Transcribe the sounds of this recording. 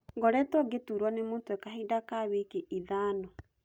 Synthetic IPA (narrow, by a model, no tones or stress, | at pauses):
ŋɡɔɾɛtɔɡetuːɾwɔnemoːntɛkaɦedakawekeiðaːnɔ